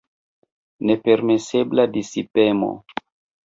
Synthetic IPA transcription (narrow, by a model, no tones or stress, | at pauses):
nepe̞ɾmesebladisipemo̰